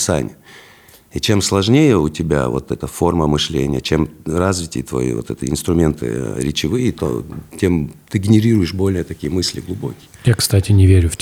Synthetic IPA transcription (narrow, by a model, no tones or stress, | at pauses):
sa̰nʲɪ̰jə | it͡ɕe̞mslˠɐʐnʲejəʊtʲɪbʲa̰vo̞̰t̪ɛt̪əfo̞rməmɨʂlʲḛnʲɪ̰jət͡ɕe̞mrazvʲɪtʲɪjət̪vɐ̰jḭvo̞̰t̪ɛt̪ə̰ɪ̰nst̪ɾʊmʲe̞nt̪ɨ̰ɾʲɪt͡ɕɪvɨjət̪o̰tʲemt̪ɨɡʲɪnʲɪɾʲiɾʊjɪʂbo̞lʲnɨjət̪ɐkʲijəmɨsʲlʲɪ̰ɡlˠʊbo̞̰kʲɪjəjakst̪atʲɪnʲɪvʲeɾʲʊf